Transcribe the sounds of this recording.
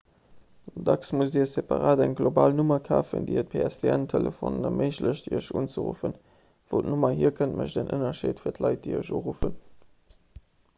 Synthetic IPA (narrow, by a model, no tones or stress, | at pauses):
dɑksmus̬diːɐsepaʁaːdæŋɡlobaːlnumɐkʰaːfə̰ndiət̚pʰeæsdʰeæntʰeləfonnɐmʔəɪʃləɕdiəʃuːnt͡səʁṵfən | v̥oʊtnumɐɦiɐkʰəntməɕdənʔənɐʃeːtfiːɐtʰlɑɪt̚d̥iəʃuːʁufən